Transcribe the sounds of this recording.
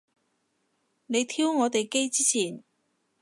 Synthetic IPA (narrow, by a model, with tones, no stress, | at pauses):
ne˨˧jt̪ʰiː˥wŋɔː˨˧t̪e˨jke˥jt͡siː˥t͡sʰiː˨˩n